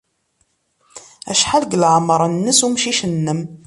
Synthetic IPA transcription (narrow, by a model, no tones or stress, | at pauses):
æ̰ʃħalɡlʕmɾˤənːəsumʃiʃənːəm